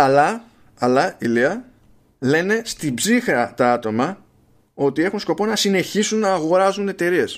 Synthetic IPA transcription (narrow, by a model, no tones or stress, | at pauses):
ɐlɐ | ɐlɐiliɐ | le̞ne̞st̪ibzixɾɐt̪ɐɐt̪o̞mɐ | o̞t̪ie̞xunsko̞po̞nɐsine̞çisunːɐːɣo̞ɾɐzune̞t̪e̞ɾie̞s